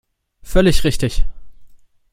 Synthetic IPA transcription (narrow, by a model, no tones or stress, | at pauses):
fœlɪçʁɪçtɪç